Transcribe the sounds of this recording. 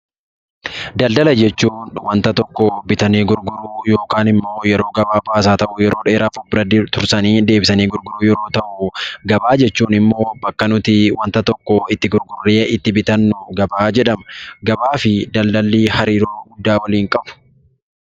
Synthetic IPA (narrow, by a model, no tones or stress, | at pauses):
d̪ɐld̪ɐlɐd͡ʒɛt͡ʃːuːnwɐnt̪ɐt̪ɔkːɔbɪt̪ɐneːɡʊɾɡʊɾuːjoːkaːnɪmːo̞ːjɛɾo̞ːɡɐbaːbaːsaːt̪ɐʔʊjɛɾoːᶑeːɾaːfʊbɾɐd̪t̪ʊɾsɐniːd̪eːbɪsɐniːɡʊɾɡʊɾuːjɛɾo̞ːt̪ɐʔʊɡɐbaːd͡ʒɛt͡ʃːuːnɪmːo̞ːbɐkːɐnʊt̪ɪwɐnt̪ɐt̪ɔkːɔɪt̪ːɪɡʊɾɡʊrːeːɪt̪ːɪbɪt̪ɐnːʊɡɐbaːd͡ʒɛᶑɐmɡɐbaːfɪd̪ɐld̪ɐlːiːhɐɾiːɾoːɡʊd̪ːaːwɐliːŋkʼɐb̥ʊ̥